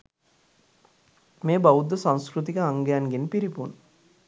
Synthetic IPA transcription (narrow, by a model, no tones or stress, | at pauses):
meːbaʋud̪ːəsãnskɾut̪̬ikəaŋɡejanɡenpiɾipun